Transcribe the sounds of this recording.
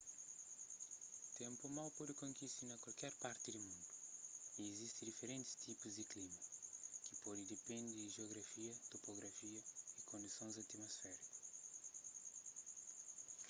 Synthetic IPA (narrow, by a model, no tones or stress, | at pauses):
t̪ẽmpumawpɔd̪ɪkõŋkist̪inɐkwalkɛɾpaɾt̪ɪd̪umũnd̪uiːzist̪ɪd̪ifeɾẽnt̪ɪ̥st̪ipuzd̪ɪklimɐkɪpɔd̪ɪd̪epẽnd̪ɪʒioɣɾɐfiɐt̪opoɣɾɐfiɐikõnd̪isõzɐt̪imosfɛɾikɐ̥s